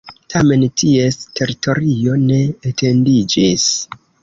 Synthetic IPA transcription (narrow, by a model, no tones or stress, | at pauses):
tʰame̞ntʰie̞stʰe̞ɾitʰo̞ɾio̞ne̞ːtʰe̞ndid͡ʒis